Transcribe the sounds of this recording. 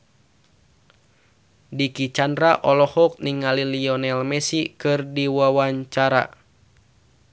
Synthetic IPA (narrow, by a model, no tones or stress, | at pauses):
dikit͡ʃandɾaʔɔlɔhɔk̚niŋaliliɔnɛlmɛsikɨrdiwawaɲt͡ʃaɾa̰